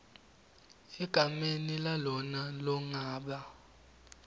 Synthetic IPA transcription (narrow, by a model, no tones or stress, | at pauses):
iɡ̥ʱamenilalɔnalɔŋaːɓa